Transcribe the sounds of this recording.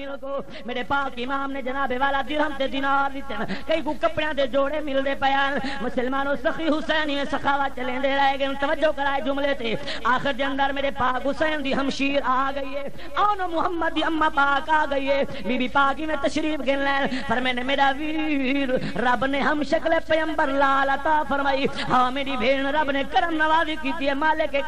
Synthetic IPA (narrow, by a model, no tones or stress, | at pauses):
mɪlkoː | meːɾepaːkːiɪmaːmnẽd͡ʒɐnaːbeʋaːlaːd̪ɪɾɦɐmt̪ed̪ɪnaːɾd̪ɪt̪enkɐĩkũkɐpɽɪjãːt̪̬ed͡ʒoːɽemɪld̪eːpɐjaːn | mʊsəlmaːnoːsɐxiɦʊsɛːnimẽsɐxaːʋat͡ʃɐlẽːnd̪eɾɐɦeɡɐnt̪ɐʋəd͡ʒokɐɾaːed͡ʒʊmlet̪eː | aːxɪɾd͡ʒ̪eə̃nd̪əɾmeːɾepaːkɦʊsɛːnd̪iːɦɐmʃiːɾaːɡɐiːɦe | ɐːnɐmʊɦɐmːəd̪ːiɐmːaːpaːkaːɡɐiːɦeː | biːbipaːkimẽt̪ɐʃɾiːfɡʱeːnlaːn | pɐɾmẽːnemeːɾaːʋiːɾ | ɐbnẽɦɐmʃɐklepɐjə̃mbəɾlaːlɐt̪aːfɐɾmaːiː | ɦaːmeːɽibʱeːɳɾɐbnẽkɐɾəmnɐʋaːzikiːt̪ieːmaːlɪkːe